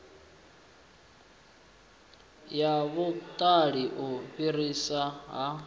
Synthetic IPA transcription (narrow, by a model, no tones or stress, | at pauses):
jaβut̪ʼaɺiʔuɸirisaɦa